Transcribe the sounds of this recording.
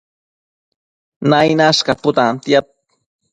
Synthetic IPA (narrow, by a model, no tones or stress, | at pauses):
najnaʃkapʊt̪amt̪jat̚